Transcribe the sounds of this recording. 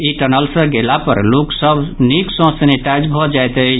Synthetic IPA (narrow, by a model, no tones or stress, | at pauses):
iʈənəlsə̃ɡelapə̰ɾloksəbʱniksɔ̃səneʈad͡ʒbʱɔd͡ʒajt̪ə